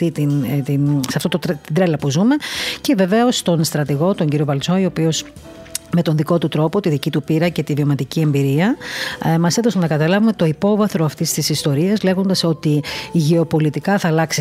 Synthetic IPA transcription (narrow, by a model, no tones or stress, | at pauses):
it̪inisɐft̪ot̪ot̪id̪ɾelɐpuzume̞ce̞ve̞ve̞o̞st̪o̞nst̪ɾɐt̪iɣo̞t̪o̞ɲɟiɾiovɐlt͡sojo̞pio̞s | me̞t̪o̞nðiko̞t̪ut̪ɾo̞po̞t̪iðicit̪upiɾɐce̞t̪ivio̞mɐt̪icie̞mbiɾiɐ | mɐseðosonɐkɐt̪ɐlɐvume̞t̪o̞ipo̞vɐθɾoɐft̪ist̪isist̪o̞ɾiɐzle̞ɣo̞nd̪ɐso̞t̪iːʝe̞o̞po̞lit̪ikɐθɐlɐksi